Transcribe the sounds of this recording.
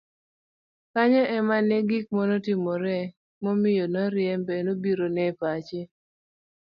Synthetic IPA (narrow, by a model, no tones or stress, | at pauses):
kaɲɛɛmanɛɡik̚mɔnotimɔɾɛ | momɪjonɔɾjɛmbɛnobiɾonɛpat͡ʃe